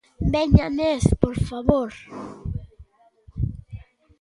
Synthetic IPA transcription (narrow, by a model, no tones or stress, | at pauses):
beɲanespoɾfaβoɾ